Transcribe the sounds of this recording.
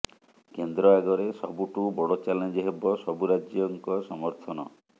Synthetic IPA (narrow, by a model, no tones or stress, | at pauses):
kend̪ɾɔaɡɔɾesɔbuʈubɔɽɔt͡ʃalend͡ʒɔɦebɔsɔbuɾad͡ʒjɔŋkɔsɔmɔɾt̪ʰɔnɔ